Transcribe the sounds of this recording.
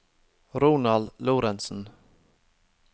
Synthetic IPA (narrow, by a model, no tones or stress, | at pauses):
ɾuːnɑld̪luːɾɛnsn̩